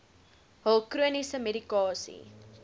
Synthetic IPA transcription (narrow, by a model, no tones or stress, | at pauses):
ɦəlˠkruənisəmeɾikɑːsḭ